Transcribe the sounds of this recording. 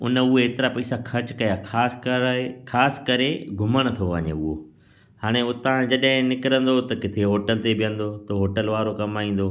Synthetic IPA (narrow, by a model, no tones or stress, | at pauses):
ʊnəʊɦeeːt̪ɪɾapɐisakʰɐt͡ɕkɐjakaːskʰaːskɐɾeɡʱʊməɽ̃ət̪ʰoʋɐɲḛʊɦo | haːɽ̃eʊt̪ãd͡ʑɐɗɦɪ̃nɪkɪɾə̃nd̪ot̪ɐkɪt̪ʰeɦoːʈəlt̪ebɪjə̃nd̪ot̪ɐɦoːʈəlʋaːɾokɐmaːĩːn̆d̪o